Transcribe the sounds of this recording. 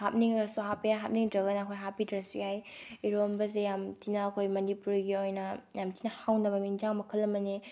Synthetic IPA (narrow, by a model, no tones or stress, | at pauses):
hap̚niŋɐɡɐsuɦapijaɦap̚niŋdɾɐɡɐnɐːkʰojɦapidɾɐsujajiɾombɐzejamtʰinɐːkʰojmɐnipuɾiɡiojnɐjamtʰinɐhawnɐbɐmind͡ʒaŋmɐkʰɐlːɐmɐne